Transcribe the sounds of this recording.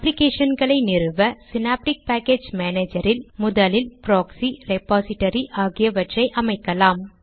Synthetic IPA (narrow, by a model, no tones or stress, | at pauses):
ɐplɪkeːʂɐnɡɐɭɐɪnɪɾɯʋɐsɪnaːp̚ʈɪk̚paːkeːd͡ʒmeːneːd͡ʒɐɾɪlmʊðɐlɪlpɾoːksiɾɛpaːsɪʈːɐɾiʔaːɣɪjɐʋɐʈrɐɪʔɐmɐɪkːɐlaːm